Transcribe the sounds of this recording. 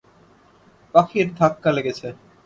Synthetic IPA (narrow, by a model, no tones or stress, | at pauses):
pakʰiɾd̪ʱakːaleɡet͡ɕʰe